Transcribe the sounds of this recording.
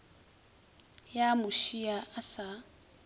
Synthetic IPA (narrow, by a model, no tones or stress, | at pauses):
jamuʃiaasa